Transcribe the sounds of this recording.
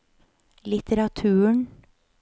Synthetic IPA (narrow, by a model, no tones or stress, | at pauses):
lɪt̪ʰəɾɑt̪ʰʉːɳ